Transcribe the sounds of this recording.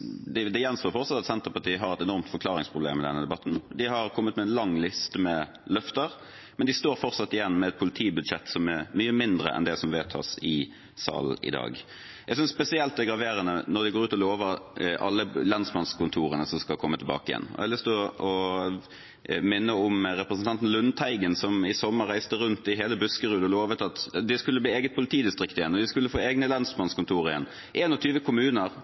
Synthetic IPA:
d̪ɪd̪ɛjɛnsoːfɔɾt̪sɑt̪ɑt̪sɛnt̪əɾpɑʈʰiːəɦɑɾɛt̪ɛnɔʁmt̪fɔɾkʰlɑːʁɪŋspʰʁʊbleːmɪd̪ɛnːəd̪ɛbɑt̪ːn̩d̪ɪɦɑʁkʰɔmːət̪mɛɛnlɑŋlɪst̪əmɛ | lœft̪əɾ | mɛnd̪ɪst̪oːɾfɔʁsɑt̪ːɪjɛnːmɛːt̪̚pʰʊlɪt̪ʰiːbʉd̪ʂɛt̪ːsɔmæʁmyːəmɪnd̪ɾə̰ʔɛ̰nd̪ɛsɔmʋeːt̪ʰɑ̰ːsɪ | sɑ̰ːln̩ɪ̰d̪ɑ̰ːɡ | ɛɡsʏnspɛsɪɛlt̪d̪ɛɡɾɑʋeːɾənənɔɾd̪ɪɡoːɾʉːt̪ɔloːʋəʔɑ̰lːəlɑnsmɑnskʰʊnt̪ʰuːɾənəsɔmskɑlkʰɔmːət̪ʰɪlbɑ̰ːkəɪjɛ̰nːɔ̰ælɪsd̪ɔɔ | mɪnːəʊmɾɛpɾəsənt̪ɑnt̪n̩lʉnt̪ʰæɪɡənsɔmɪsɔmːəɾːæɪst̪əɾʉnt̪ɪɦeːləbʉskəɾʉːd̪əloːʋət̪ʰɑt̪d̪ɛskʉlːəbliːeːɡət̪̚pʰʊlɪt̪ʰiːd̪ɪst̪ʁɪkt̪ɪjɛnːɔd̪ɪskʉlːəfoːɛɡnəlɑnsmɑnskʊnt̪ʰuːɾəɪɛnː | ʔeːnɔt̪ʰyːʋəkʰʊmʉːnəɾ

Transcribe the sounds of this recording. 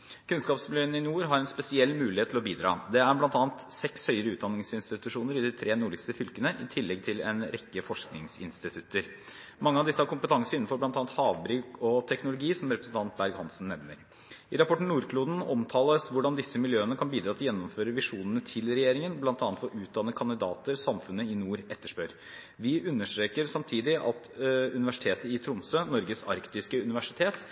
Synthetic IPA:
kʰʉnskɑːpsmɪljøːənəɪnuːɾɦɑɾɛnspɛsɪɛlːmʉːlɪheːt̪ʰːlɔbiːd̪ɾɑ̰ːd̪ɛæɾblɑnt̪ɑːɑnt̪sɛkshœʏəɾəʉːt̪d̪ɑnːɪŋsɪnst̪ɪt̪ʉʂuːnəɾɪd̪ɪt̪ʰɾʔeːnuːɭɪkst̪əfʏlkənəʔɪ̰t̪ʰɪlːɛɡ̚t̪ʰɪlɛ̰nɾɛkːəfɔʂknɪ̰ŋsɪ̰nst̪ɪt̪ʰʉt̪əɾ | mɑŋːəɑʋd̪ɪsːəhɑɾkʊmpət̪ʰɑŋsəɾɪnːn̩fɔɾblɑnt̪ɑːnt̪hɑːʋbɾyːkɔt̪ʰɛknʊlʊɡiːsɔmɾɛpɾəsn̩t̪ɑnt̪̚bæɾɡhɑnsn̩nːɛʋnəɾ | ɪɾɑpʰɔʈɳ̩nuːɾkʰluːd̪n̩ɔmt̪ʰɑːləsʋʊɖɑnd̪ɪsːəmɪljøːənəkʰɑnbiːd̪ɾɑːt̪ʰɪljɛnːɔmføːɾəʋɪʂuːnənət̪ʰɪlɾɛjeːɾɪŋənblɑnt̪ɑːt̪fɔɾʔʉːt̪̚d̪ɑnːəkʰɑnd̪ɪd̪ɑːt̪əɾsɑmfʉnːəɪnuːɾɛt̪ːəʂpøɾ | ʋɪʉnːəʂtɾeːkəɾsɑmt̪ʰiːd̪ɪʔɑ̰t̪ʉnɪʋæʂɪ̥t̪ʰeːt̪əɪt̪ʰɾʊmsøːnɔɾɡəsɑ̰ɾkt̪ɪskəʉnɪʋæʂɪt̪ʰeːt̪

